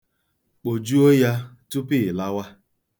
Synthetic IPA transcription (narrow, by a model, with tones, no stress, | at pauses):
k͡po˨d͡ʒu˦o˦ja˦tu˦pi˦˨la˦wa˦